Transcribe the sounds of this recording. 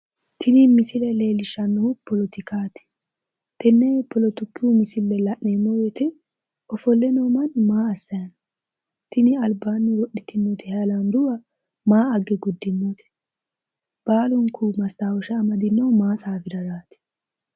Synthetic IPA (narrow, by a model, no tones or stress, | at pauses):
t̪ʰɪnɪmɪsɪlɛle̞ːlɪʃːɐnːɔpɔlɔt̪ɪkaːt̪ɪ̥ | t̪ɛnːɛpɔlɔt̪ʊkːɪumɪsɪlːɛlɐʔnːeːmːɔwɛt̪ɛ | ɔfɔlːɛnoːmɐnmaːɐsːɐjɐn | t̪ɪnɪɐlbaːnːɛwɔɗɪt̪ɪmːɔt̪ɛhɛɐlɐnd̪ʊwɐ | maːɐɡɛɡʊd̪ːɪmːɔt̪ʰɛ̥ | b̥aːlɔŋkʰumɐst̪aːwɔʃɛːmɐd̪ɪnːɐwmaːsaːfɪɾɐɾaːt̪ɪ̥